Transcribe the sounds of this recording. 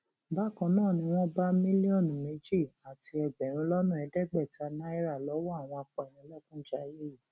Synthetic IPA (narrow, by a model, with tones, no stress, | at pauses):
ba˦˨kã˧nãː˦˨nĩ˧w̃ɔ̃˦ba˦mĩ˦li˦ɔ˦˨n˨me˨˦d͡ʒi˦˨a˨ti˧ɛ˨ɡ͡bɛ˨ɾ̃ĩ˨˧˦lɔ˦nũ˦˨ɛ˧dɛ˦˨ɡ͡bɛ˦˨ta˨˧na˦i˦ɾa˦˨lɔ˨˦wɔ˦a˦˨w̃ɔ̃˧a˧k͡pa˨ɾ̃ĩ˧˦lɔ˦kũ˦d͡ʒa˦je˦ji˦˨